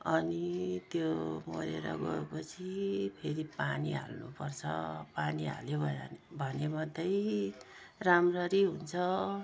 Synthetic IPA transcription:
ʌnit̪jomo̰ɾḛɾʌ̰ɡʌepʌt͡sʰipʰeɾipaniɦa̰lnṵpʌrt͡sʰʌ̰paniɦa̰lebʱʌbʱʌnemʌd̪ʱːʌj | ramrʌɾiɦunt͡sʰʌ

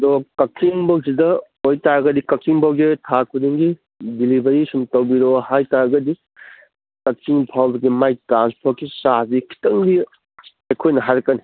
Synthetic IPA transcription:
dokɐk̚iŋbɐwsidɐ | ojtaɡɐdikɐk̚t͡ʃiŋbʰawɡetʰakʰudiŋɡi | bilibɐjisumtɐwbiɾohajtaɡɐdi | kɐk̚siŋpʰawbɐɡimajtɾanspʰoɾkisabikʰi̥tɐŋbi | ejkʰojnɐɦaɾkɐni

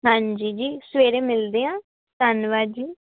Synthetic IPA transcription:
ɦãːɲd͡ʒiːd͡ʒiːsəʋeːɾeːmɪld̪eːãː | t̪anʋaːd͡ʒiː

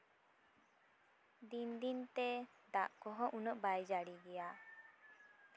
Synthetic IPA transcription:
d̪ind̪int̪ɛ | d̪aʔkɔɦɔʔunɔʔbajd͡ʒaɽiɡɛja

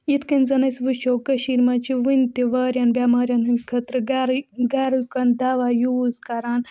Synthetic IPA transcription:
jit̪kɐnʲzɐnɐsʋɨt͡ʃʰoːkɐʃiːɾmɐt͡ʃʰiʋɨnʲt̪iʋaːɾʲjɐnbʲamaːɾʲjɐnɨkʰɐt̪ɾɨɡɾɡɐɾukɐnd̪aʋajuːzkɐɾaːn

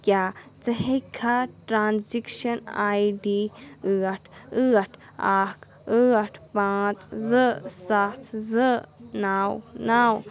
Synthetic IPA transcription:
kjat͡seɦekʰaʈɾansikʃonajdiɨaʈʰɨaʈʰ | ak | ɨaʈpãt͡sʼzəʔsat͡szəʔnãwnãw

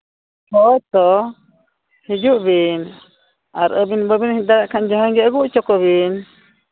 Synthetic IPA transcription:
hɔɔt̪ɔ | hid͡ʒuʔbin | aɾəbinbəbinhid̪aɾaʔkʰand͡ʒɔɦɔnɡɛəɡuʔt͡ʃɔkɔβin

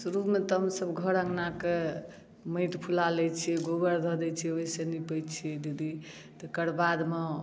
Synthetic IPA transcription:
suɾumet̪ɔɦəmsəbɡʱəɾə̃ŋɡnake | məɪt̪pʰulalɛt͡ʃʰiɛɡoɡəɾd̪ʱɔd̪ɛt͡ʃʰiɛoɦisenipəjt͡ʃʰiɛd̪id̪i | t̪ɔkəɽbad̪me

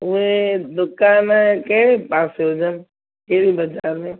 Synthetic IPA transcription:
ʊɦed̪ʊkaːnẽkɐɦɪɾepaːseɦod͡ʒən | kɐɦɪɽibɐd͡ʒaːɾmẽː

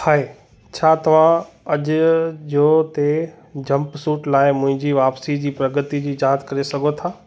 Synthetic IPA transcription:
haːe | t͡ɕʰaːt̪ɐʋ̤ã | ɐʄʊd͡ʑoːt̪e | d͡ʑɐ̃mpsuːʈlaːɪmʊ̃ɦɪ̃ɲd͡ʑiːʋaːpsid͡ʑiːpɾɐɡət̪id͡ʑiːd͡ʑaːt̪kɐɾesɐɡʱot̪ʰaː

